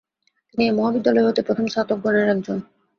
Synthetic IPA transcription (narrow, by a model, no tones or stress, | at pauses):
t̪iniemɔɦabid̪ːalɔeɦot̪epɾot̪ʰomʃat̪ok̚ɡoneɾɛk̚d͡ʑon